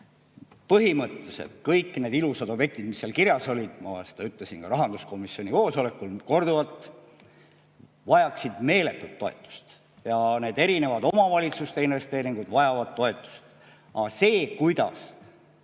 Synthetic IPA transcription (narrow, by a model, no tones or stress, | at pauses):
pɤɦimɤt̪ːˑesḛt̪kɤjkːˑne̞ːd̪ilused̪̥o̞bje̞k̚t̪id̪̥misːeɑlkiɾjɑso̞lʲid̪̥mɑ̰se̥d̪ɑyt̪ːˑle̞sinkɑɾɑɦɑnd̪̥usko̞misːio̞nʲiko̞ːso̞le̞kːˑulko̞rd̪uvɑt̪ːˑ | vɑjɑksid̪̥me̞ːle̞t̪ːˑut̪ːo̞et̪ːˑu̥st̪ | jɑne̞ːd̪e̞ɾine̞vɑd̪̥o̞mɑvɑlʲit̪sust̪einve̞st̪e̞ːɾiŋɡ̥ud̪vɑjɑvɑd̪̥̚t̪ːo̞e̞t̪ˑːu̥st̪ | ɑ̰se̞ːkujd̪̥ɑ̰s